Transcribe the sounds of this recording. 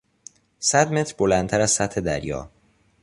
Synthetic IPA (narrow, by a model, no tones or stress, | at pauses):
sæd̪me̞t̪ʰɾbolænt̪ʰæɾæz̥sæt̪he̞d̪æ̰ɾjɒ̰ː